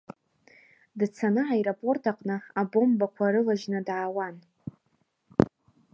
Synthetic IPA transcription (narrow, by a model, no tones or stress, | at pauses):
dt͡sʰanɨʕajɾapʼo̞rtʰaqʼnɨabo̞mbakʷʰaɾɨlaʒnɨdʕawan